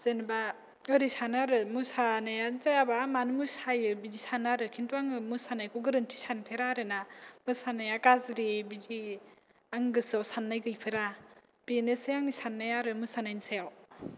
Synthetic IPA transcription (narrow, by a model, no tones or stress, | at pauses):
zenba | ɯɾisanaɾɯmusanajazajabamanɯmusajɯbid͡ʒisanaɾɯkʰintuaŋɯmusanajkʰɔɡɯɾɯntʰi̥sanpʰeɾaɾɯnamɯsanajakazɾibid͡ʒi | aŋɡɯsawsanːajɡɯjpʰeɾa | b̥inesejaŋisanːajaɾɯmɯsanajnsajaw